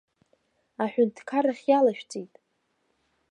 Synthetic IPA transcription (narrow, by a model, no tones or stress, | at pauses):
aħᶣʊntʰkʰaraχʲjalaʃᶣt͡sʼejtʼ